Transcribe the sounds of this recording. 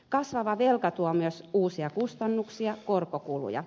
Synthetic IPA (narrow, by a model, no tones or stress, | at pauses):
kɑsʋɑʋɑʋelkɑt̪uomyøsuːsiɑkust̪ɑnːuksiɑkorkokulṵjɑ̰